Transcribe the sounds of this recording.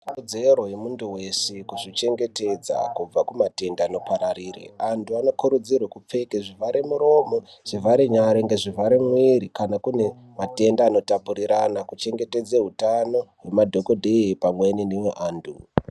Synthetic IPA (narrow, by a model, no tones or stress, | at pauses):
d͡zerojemunduwe̞sekuʐit͡ʃe̞ŋɡe̞te̞d͡za̰kub͡vakumate̞ndaːno̞paɾaɾiːrḛantʰuano̞kuɾud͡zirwakup͡fe̞keʐivaɾemuɾo̞mo | ʐ̥ivaɾeɲaɾeŋɡeʐivaɾemwiɾikanakune̞ | mate̞ndaːno̞tapuɾiɾanakut͡ʃe̞ŋɡe̞te̞d͡zeɦutano̞we̞madʱo̞ko̞dʱeipamweninimeʔaːndu